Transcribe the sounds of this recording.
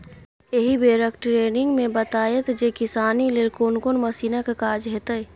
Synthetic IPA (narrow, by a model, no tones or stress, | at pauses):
eɦibeːɾəkʈɾeːnɪ̃ŋɡmẽbət̪aːjət̪d͡ʒekɪsaːnilɪɾkoːnkonmɐsiːnəkkaːd͡ʒɦɛt̪əi